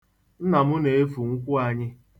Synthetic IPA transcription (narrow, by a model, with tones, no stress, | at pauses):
n̩˦na˨mʊ˦ne˨e˦fu˨ŋ̩˦kʷʊ˦a˨ɲɪ˦